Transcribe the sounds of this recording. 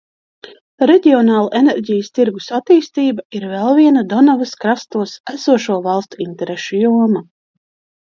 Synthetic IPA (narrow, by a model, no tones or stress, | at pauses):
ɾeɟʲiɔnɑːlˠaʔenɛɾɟʲijəst̪iɾɡusat̪iːst̪iːbaiɾvɛlˠviɛnad̪ɔnavaskɾast̪uɔsæsuɔʃuɔvɑlˠst̪uint̪ɛɾeʃujuɔma